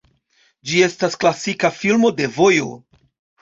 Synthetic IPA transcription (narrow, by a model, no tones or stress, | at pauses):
d͡ʒie̞stasklasikafilmo̞de̞vo̞jo̞̰